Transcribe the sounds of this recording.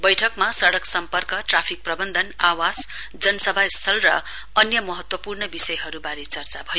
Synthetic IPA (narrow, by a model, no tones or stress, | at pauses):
bʌjʈʰʌkmasʌɽʌksʌmpʌrkʌʈrapʰik̚prʌbʌnd̪ʱʌnawad͡z | d͡zʌnʌsʌbʱast̪ʰʌlrʌ̰ | ʌnjʌmʌɦʌt̪wʌpurnʌbisʌjɦʌɾubaɾet͡sʌrt͡sabʱʌjo